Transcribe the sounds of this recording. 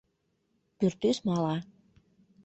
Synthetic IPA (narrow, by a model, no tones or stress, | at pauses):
pyrt̪ysmɑlɑ